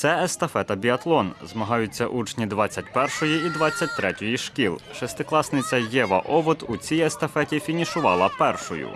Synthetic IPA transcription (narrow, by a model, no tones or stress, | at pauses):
t̪sɛɛst̪ɐfɛt̪ɐbʲiɐt̪lˠɔnzmɐɦɑjʊt͡sʲːɐ̰ʔut͡ʃnʲid̪ʋɑt͡sʲːɐt̚ʲpɛrʃʊjiid̪ʋɑt͡sʲːɐt̚ʲt̪ɾɛtʲʊjiʃkʲilˠʃɛst̪ɪklˠɑsnɪt͡sʲɐjɛʋɐ̰ʔɔʋɔt̪ut͡sʲijɛst̪ɐfɛtʲifʲinʲiʃʊʋɑlˠɐpɛrʃʊjʊ̰